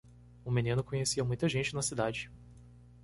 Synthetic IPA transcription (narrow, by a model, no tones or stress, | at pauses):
ʊmenĩnʊkõɲesiɐmũj̃t̪ɐʒẽnt͡ʃɪnɐsid̪ad͡ʒɪ